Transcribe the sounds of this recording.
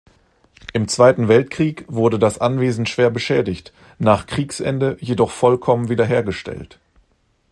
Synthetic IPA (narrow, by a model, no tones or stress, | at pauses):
ʔɪmt͡sv̥aɪtn̩vɛltkʁ̥iːkv̥ʊɐdədasʔanveːzn̩ʃv̥eːɐbəʃɛːdɪçt | naːχkʁ̥iːksʔɛ̰ndəjedɔχfɔlkʰɔmənviːdɐɦeːɐɡəʃtɛ̰lt